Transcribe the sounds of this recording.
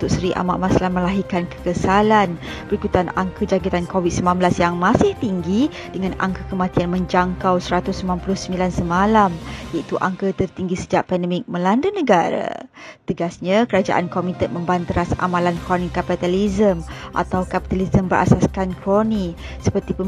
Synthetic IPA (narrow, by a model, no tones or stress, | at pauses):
t̪ʊʔ̚səɾiʔa̰maʔmasalamə̃laɦikankə̥kəsalanbəɾikut̪anaŋkəd͡ʒaɡit̪ankowid̪̚səmanbəlasjaŋmãsɪht̪iŋɡi | dəŋãna̰ŋkəkəmat̪ianmə̃ɲd͡ʒaŋkawsəɾat̪ʊsmanpulʊhsəmbilansəmalamjait̪uʔa̰ŋkət̪ərt̪iŋɡisəd͡ʒaʔpɛndəmɪk̚mə̃landənəɡaɾa̰t̪əɡasɲãkəɾad͡ʒa̰ʔa̰nkomit̪ən̚mə̃mbant̪əɾasa̰mãlankɾonikapit̪alizəmʔa̰t̪awkapi̥t̪alizəmbəɾʔa̰saskankɾoni | səpərt̪ipə